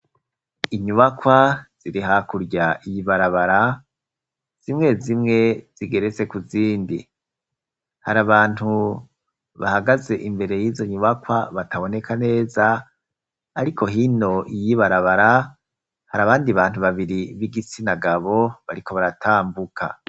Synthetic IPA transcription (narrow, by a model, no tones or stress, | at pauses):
iɲuβakwaz̥iɾiɦakuɾɟaʔijiβaɾaβaɾa | z̥imŋe̞zimŋe̞z̥iɡe̞ɾet͡se̞kuziːndi | haɾaβaːn̥hu | βa̰haɡaze̞ʔimbe̞ɾe̞jiːzo̞ɲuβakwaβataβo̞ne̞kʰane̞ːzaː | ɾikʰo̞ɦino̞ʔijiβaɾaβaɾa | haɾaβaːndiβaːn̥uβaβiɾiβiɡit͡sinaɡaβo̞βaɾiko̞βaɾatʰaːmbukʰa̰